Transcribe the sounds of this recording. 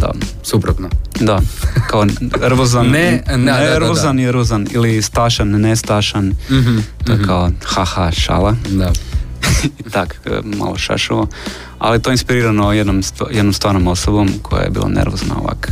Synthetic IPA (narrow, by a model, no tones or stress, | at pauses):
d̪a̰ | supɾot̪nod̪akaorʋozanːeneeɾʋozaniɾʋozanḭlist̪aʃanːest̪aʃan | t̪ojekʰaoxaxaʃa̰lad | it̪akma̰loʃa̰ʃuʋo | a̰lijet̪oeinspiɾiːɾanojed̪nomst̪jed̪nomst̪ʋaːɾnomosobomkʰoja̰jḛbḭːlˠa̰nʔḛɾʋozna̰o̰ʋa̰k